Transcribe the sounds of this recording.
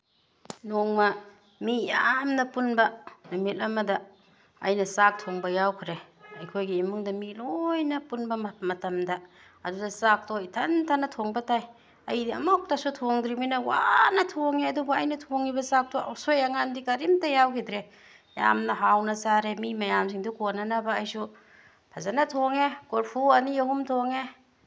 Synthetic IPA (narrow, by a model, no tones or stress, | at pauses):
noŋmɐ | mijamnɐpunbɐnumit̚lɐmɐdɐ̰ː | jnɐsak̚tʰoŋbɐjawkʰɾe | ɐjkʰojɡiimuŋdɐmilojnɐpunbɐmamɐtɐmdɐ | ɐdudɐsak̚tɔitʰantʰanɐtʰoŋbɐtaj | ɐjdiɐ̰mɔk̚tasutʰoŋdɾiminawa̰nɐtʰoŋeɐduboɐjnɐtʰoŋibɐsak̚toa̰wsojaŋandikaɾimtajawkʰidɾe | ja̰mnɐɦawnɐsaɾemimajamsiŋdukonːanabaːjsu | pʰazanatʰoŋekoɾpʰuaniahumtʰoŋe